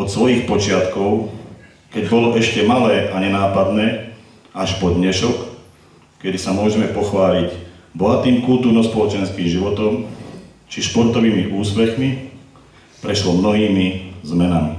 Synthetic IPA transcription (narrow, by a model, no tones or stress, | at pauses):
ɔt̪sʋɔjiːxpɔt͡ʃɪat̪kɔʊ | kɛɟbɔlɔʔɛʃcɛmalɛːʔaɲɛnaːpad̪nɛː | aʃpɔd̪ɲɛʃɔk | kɛd̪isamʊɔʒɛmɛpɔxʋaːlicblat̪iːmkult̪uːɾnɔspɔlɔt͡ʃɛnskiːŋʒiʋɔt̪ɔmt͡ʃiʃpɔɾt̪ɔʋiːmiʔuːspɛxmi | pɾɛʃlɔmnɔɦiːmizmɛnami